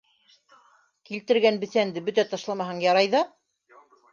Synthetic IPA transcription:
kilt̪ɘ̆ɾɡænbɘ̆θænd̪ɘbɵt̪æt̪ɑʃlˠɑmɑɦɑɴjɑɾɑjðɑ

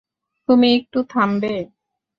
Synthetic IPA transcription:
t̪umiek̚ʈut̪ʰambe

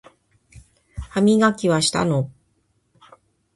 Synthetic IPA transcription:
hamʲiɡakʲiβaɕi̥t̪a̰no

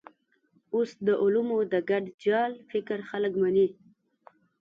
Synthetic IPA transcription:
osd̪əʔʊlumod̪əɡaɖd͡ʒɑlfɪkɾxaləkmani

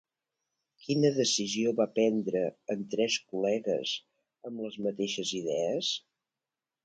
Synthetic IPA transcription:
kinəðəsizioβapɛnd̪ɾəənt̪ɾɛskulɛɣə̰z | əmləzmət̪eʃəziðɛəs

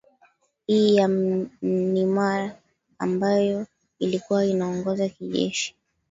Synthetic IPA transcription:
hiːja | nimaɾa | ambajɔ | ilikuwainaɔŋɡɔzakiʄɛ̰ʃi̥

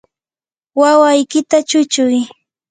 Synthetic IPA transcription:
wawajkɪt̪at͡ʃʊt͡ʃʊj

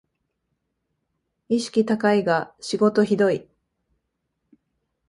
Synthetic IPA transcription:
iɕi̥kʲit̪akaiɡaɕiɡo̞t̪o̞çid̪o̞i

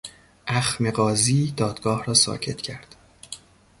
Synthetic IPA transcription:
ʔæxmeɣɒːziːd̪ɒːd̪̥ɡɒːhrɒːsɒ̰ːcʰe̞t̪ʰcʰæɾd̪̥

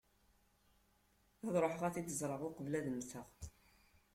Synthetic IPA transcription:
æðɾˤoħəʁæθid̪əzˤɾˤəʁʊqəvlæðəmsəʁ

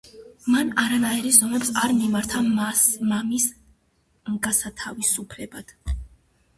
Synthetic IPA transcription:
manaɾanaɛɾizɔmɛpsaɾmimaɾt̪ʰamamis | mɡasat̪ʰavisupʰlɛbad̪̥

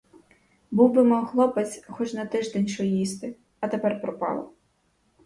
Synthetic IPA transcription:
buwbɪmɔɦlˠɔpɐt͡sʲxɔt͡ʃnɐt̪ɪʒd̪ɛnʲʃɔjist̪ɪ | ɐt̪epɛrpɾɔpɑ̰lˠɔ̰

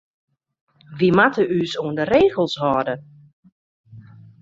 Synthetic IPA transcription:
ʋimatəysoəndəɾeːɣəlˠshɔːdə

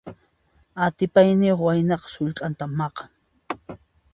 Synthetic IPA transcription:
at̪ɪpajnɪjoχwajnɑqɑ̥sʊʎkʼant̪amːɑqɑŋ

